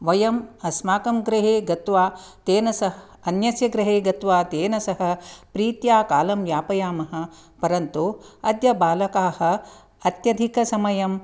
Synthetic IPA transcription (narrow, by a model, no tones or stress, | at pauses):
ʋɐjɐmɐsmaːkɐmɡɾɐɦeːɡɐt̪ʋaːt̪eːnɐsɐɦ | ɐnjɐsjɐɡɾɐɦeːɡɐt̪ʋaːt̪eːnɐsɐɦɐ̆pɾiːt̪jaːkaːlɐmjaːpɐjaːmɐɦɐ̆pɐɾɐnt̪uɐd̪jɐbaːlɐkaːhɐ̆ | ɐt̪jɐd̪ʱikɐsɐmɐjɐm